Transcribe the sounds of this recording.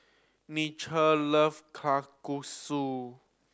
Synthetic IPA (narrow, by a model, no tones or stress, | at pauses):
nit͡ʃʰələfkʰlakusu